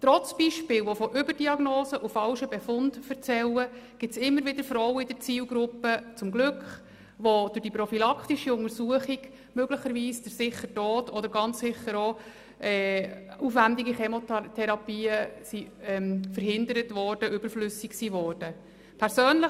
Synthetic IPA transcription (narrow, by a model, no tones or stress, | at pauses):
t̪ɾɔt͡sb̥iːʃpɪːlʋofɔʔʏbəɾd̥iɑɡnoːsəʔufɑlʃəbɛfʊndfəɾt͡sɛləɡ̥ɪtsɪmːəɾʋɪdəɾfɾɔwəɪdəɾt͡siːlɡɾʊpːət͡sʊmɡlʏkχ | ʋod̥ʊɾd̥iprɔfilɑkχtiʃiʊŋəɾsuəχiɡ̥ | møɡləχəɾʋiːsd̥əɾsɪχətɔːtɔd̪əɾɡɑnt͡ssɪχːəɾo | ɛːufʋændiɡiχemotʰɛɾɑpiːəsiɛmfəɾɦɪndəɾətʋɔɾd̥əʔʏb̥əɾflʏsiksiʋɔːrd̥ə | pʰɛɾsøːnlə